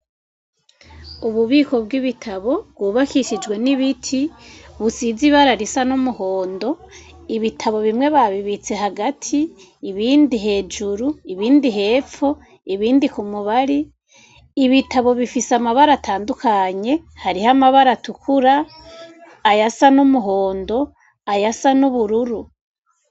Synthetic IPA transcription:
uβuβiːko̞bɡiβitʰaβo̞bɡwuːβakiʃid͡ʒɡwe̞niβitʰiβusiːziβaɾaɾisanomuho̞ːndo̞ | iβitʰaβo̞βimŋe̞βaβiβit͡se̞ɦaɡatʰiː | βiːndiɦe̞ːd͡ʒuɾuiβiːndiɦe̞ːfo̞ | iβiːndikumuβaɾiː | βitaβo̞βifisamaβaɾatʰaːndukaɲe̞haɾihamaβaɾatukuɾaː | jasanumuɦo̞ːndo̞ | ajasanuβuɾuɾu

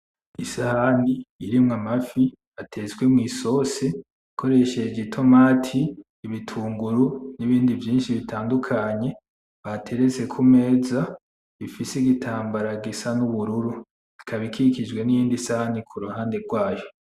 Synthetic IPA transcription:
isahaniːɾimŋamafi | atʰe̞zwemŋiːso̞se | ikʰo̞ɾe̞ʃe̞d͡ʒɡetʰo̞maːtʰiː | βitʰuːŋɡuɾuniβiːndivjiːnʃiβitʰaːndukʰaɲe̞ | βatʰe̞ɾe̞t͡se̞kʰume̞ːza | βifisiɡitʰaːmbaɾaɡisanuβuɾuɾu | zikʰaβikʰikid͡ʒɡwe̞nijiːndisahanikʰuɾuhaːnde̞ɡwaːjo̞

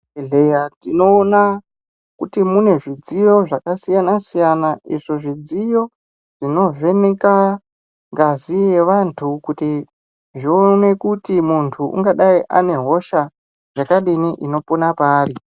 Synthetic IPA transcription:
eɮejatino̞ːna | kutimune̞ʐid͡zijo̞ʐakasijanasijanaiʐo̞ʐid͡zijo̞ | ʐ̥ino̞ve̞neka | ŋɡazijeʋantʰukuti | ʐione̞kutimuntʰuʔṵŋɡaɗaiʔa̰ne̞ɦo̞ʃa | ʐakaɗiniʔino̞ponapaːri

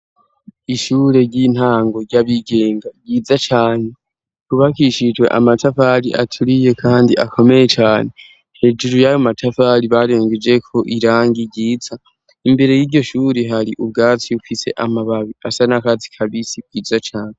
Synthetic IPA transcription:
iʃuːɾe̞ɾɟiːn̥haːŋɡo̞ɾɟaβiɡe̞ːŋɡaɡiːzat͡ʃaːne̞ | kuβakiʃid͡ʒwe̞̰ʔa̰matafaɾiʔatʰuɾije̞kʰaːndiʔakʰo̞me̞je̞t͡ʃaːne̞ | he̞ːd͡ʒuɾujajomatʰafaɾiβaɾe̞ːŋɡed͡ʒe̞kʰo̞ʔiɾaːŋɡiɾɟiːza | imbe̞ɾe̞jiːɾɟo̞ʃuːɾeɦaɾiʔub̚ɡaːt͡siufise̞̰ʔamaβaβiasanakazi̥kʰaβisib̚ɡiːd͡zat͡ʃaːne

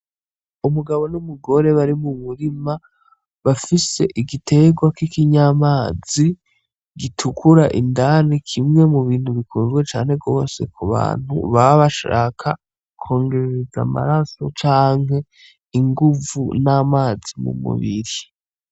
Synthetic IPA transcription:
umuɡaβo̞numuɡo̞ɾe̞βaɾimumuɾima | βafise̞ʔiɡitʰe̞ɡwakikiɲamaːzi | ɡitʰukʰuɾaʔindanikʰimŋe̞muβiːn̥huβikʰuzɡwet͡ʃaːnhe̞ɡɡo̞ːse̞̰kʰuβa̰ːn̥hṵβaβaʃa̰ːkʰa | kʰo̞ːŋɡe̞ɾeɾeza̰ma̰ɾaso̞t͡ʃaːŋɦe̞ | iŋɡuvṵnaːmaːzimṵmṵβiɾi

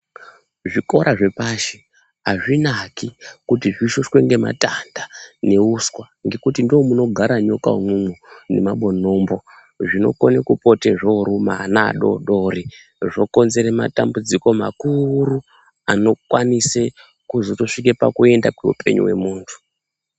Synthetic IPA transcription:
ʐiko̞ɾʔaʐe̞paːʃe | ɦaʐinakikutiʐiʃoʂweŋɡema̰tandane̞uskwa | ŋɡe̞kutindomuno̞ɡʱaɾaɲo̞ka̰womwumune̞maɓo̞no̞mbo̞ | ʐino̞̰ko̞nekupo̞teʐoɾuma̰na̰ːɗo̞̰ɗori | ʐo̞ko̞nze̞ɾema̰tambud͡ziko̞ma̰kuru | ano̞kwanise | kuzoto̞ʂik̬epakue̞ndakweṵpe̞̰ɲṵwe̞̰muːntʰu̥

